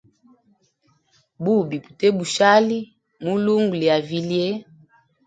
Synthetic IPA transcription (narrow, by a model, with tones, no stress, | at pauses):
bu˦bi˨pu̥˨tɛ˦bu˨ʃa˦li˦ | mu˦lu˦ŋɡu˨li˨ja˨vi˨li˦ɛ˦